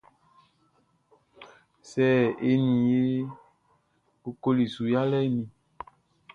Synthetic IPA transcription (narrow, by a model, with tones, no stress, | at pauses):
sɛː˦e˦nĩ˨e˦ | ku˦ko˦li˨su˨ja˦lɛ˦nĩ˨